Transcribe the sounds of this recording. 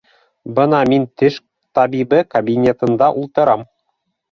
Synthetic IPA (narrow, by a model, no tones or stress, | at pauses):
bɤnɑmint̪ɘʃ | t̪ɑbibɘkɐbʲinʲet̪ɤ̆nd̪ɑʔulˠt̪ɤ̆ɾɑm